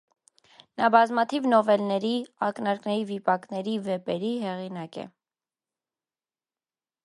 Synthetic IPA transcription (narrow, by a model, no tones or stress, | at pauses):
nɑbɑzmɑt̪ʰivnɔvɛlnɛɾiɑknɑɾknɛɾivipɑknɛɾivɛpɛɾiɦɛʁinɑkɛ̰